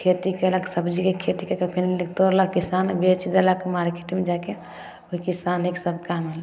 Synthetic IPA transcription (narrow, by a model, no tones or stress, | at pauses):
kʰet̪ikeləɡsəbd͡ʒikekʰet̪ikekəpʰinlikt̪oɾlakisanbet͡ʃid̪əlakmaɾkeʈimed͡ʒaːke | oikisaneksəb̚kamɦəl